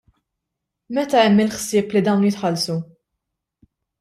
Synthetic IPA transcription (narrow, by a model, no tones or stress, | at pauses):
mɛt̪ɐɛmːɪlħsɪːplid̪ɐwnjɪt̪ħɐlsu